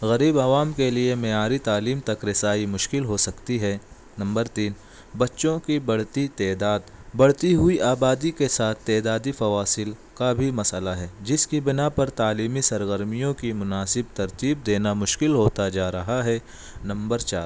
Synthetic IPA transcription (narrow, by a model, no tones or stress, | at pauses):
ɣɐɾiːbɐʋaːmkeliemɛaːɾit̪aːliːmt̪ɐkɾɪsaːimʊʃkɪlɦosɐkt̪iɦɛ | nɐ̃mbəɾt̪iːn | bɐtːʃõkibɐɽ̤t̪it̪ɛːd̪aːd̪bɐɽt̪iɦʊiʔaːbaːd̪ikesaːt̪ʰt̪ɛːd̪aːd̪ifɐʋaːsɪlkabʱimɐsəlaɦɛːd͡ʒɪskibɪnapɐɾt̪aːliːmisɐɾɣəɾmijõkimʊnaːsɪb̚t̪ɐɾt̪iːb̚d̪eːnamʊʃkɪlɦoːt̪ad͡ʒaːɾɐɦaɦɛ | nɐ̃mbəɾt͡ʃaːɾ